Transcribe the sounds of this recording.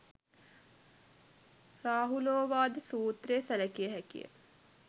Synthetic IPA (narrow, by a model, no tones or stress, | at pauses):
raːɦuloːʋaːd̪əsuːt̪rejːsælækijəɦækḭjə̰